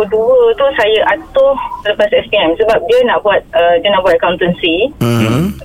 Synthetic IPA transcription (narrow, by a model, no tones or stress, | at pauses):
duət̪ʊsajaʔat̪ʊt̪ələpasɛspiɛmsəbap̚diənãʔbuat̪̚ədiənãʔbuwat̪̚akawnt̪ənsi